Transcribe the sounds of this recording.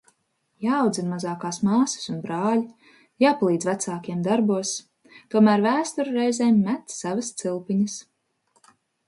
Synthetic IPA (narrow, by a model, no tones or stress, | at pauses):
jaːwd̪zinmazɑːkaːsmɑːsɐ̥sunbɾɑːlʲi | jaːpalˠiːd̪zvæt̪saːkiɛmd̪aɾbuɔs | t̪uɔmæːɾvæːst̪uɾɾɛjzɛːmːæt̪sːavɐst̪silˠpiɲɐs